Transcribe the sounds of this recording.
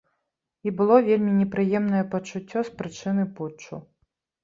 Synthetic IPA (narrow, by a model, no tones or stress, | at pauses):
ibɨlˠɔvʲelʲmʲinʲɛpɾɨjɛmnɐjɛpɐt͡ʂut͡sʲːɔspɾɨt͡ʂɨnɨput͡ʂːṵ